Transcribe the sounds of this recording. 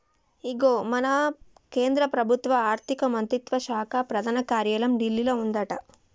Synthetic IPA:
iɡoːmɐnɐ | keːnd̪ɾɐpɾɐbʱut̪ʋɐaːɾt̪ʰikɐmɐnt̪ɾit̪ʋɐʃaːkʰapɾɐd̪ʱaːnɐkaːɾjɐlɐmɖilːilɐund̪ɐʈɐ

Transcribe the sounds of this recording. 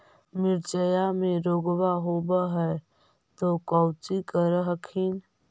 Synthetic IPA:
mɪɾt͡ʃəjamẽɾoːɡwaɦoːbəɦɛ | t̪okɔʊt͡ʃikəɾɦəkʰin

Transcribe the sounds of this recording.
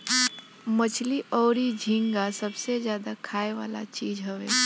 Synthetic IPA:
mət͡ʃʰliʔɔːɾid͡ʒʱĩŋɡasɐbsezjaːd̪akʰaːeʋa̰ːla̰t͡ʃiːd͡ʒɦəʋeː

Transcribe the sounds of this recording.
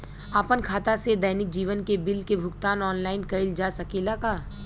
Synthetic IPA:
apənkʰaːt̪ased̪ɐjnɪk̚d͡ʒiːʋənkebɪlkebʱʊɡt̪aːnɔːnlaːɪnkɐɪld͡ʒaːsɐkelakaː

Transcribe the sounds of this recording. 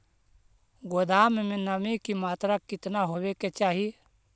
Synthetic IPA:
ɡoːd̪aːmemẽnəmikimaːt̪ɾakɪt̪naɦoːweket͡ʃaːɦi

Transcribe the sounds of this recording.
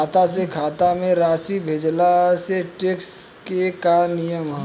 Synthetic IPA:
aːt̪as̬ekʰaːt̪amẽɾaːsibʱeːd͡ʒlaseʈekskekanijəmɦa

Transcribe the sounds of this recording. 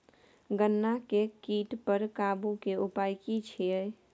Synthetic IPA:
ɡənːakekiːʈpəɾkabukeupajkit͡ʃʰie

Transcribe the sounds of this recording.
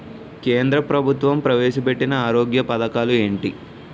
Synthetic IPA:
keːnd̪ɾɐpɾɐbʱut̪ʋɐmpɾɐʋɛːʃɐpeʈːinɐaːɾoːɡjɐpɐd̪ɐkaːlue̞ːɳʈi

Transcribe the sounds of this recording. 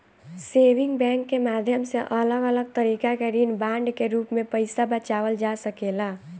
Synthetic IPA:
seʋiŋɡbɛ̃ŋkːemad̪ʱjəmseʔələɡələɡ̚t̪əɾikakeɾinbaɳɖkeɾuːpmepəɪsabət͡ʃaʋəld͡ʒasəkela

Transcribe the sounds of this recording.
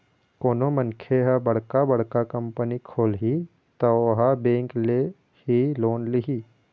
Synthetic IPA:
koːnomənkʰeɦabɐɽ̤kabɐɽ̤kakɐ̃mpənikʰoːlɦi | t̪ɐɦabẽːŋkle | hiloːnliɦiː

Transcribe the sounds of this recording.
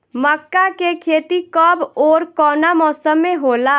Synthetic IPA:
məkːakekʰet̪ikəboɾkɔnamɔːsəmːeɦola

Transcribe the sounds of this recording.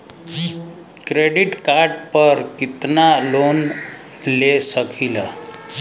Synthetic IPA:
kɾeɖiʈkaɾɖpəɾkit̪nalon | lesəkʰilə

